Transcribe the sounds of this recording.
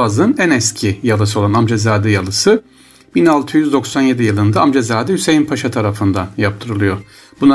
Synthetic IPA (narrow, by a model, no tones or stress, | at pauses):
azɯnænɛscʰijalˠɯs̬ɯo̞lˠanamd͡ʒezaːd̪ɛjalˠɯsɯ | binalˠt̪ʰɯjyzd̪o̞ksanje̞d̪ijɯlˠɯnd̪aamd͡ʒezaːd̪ɛhyse̞jinpʰaʃat̪ʰaɾafɯnd̪anjap̚t̪ʰɯɾɯlˠɯjo̞ | bun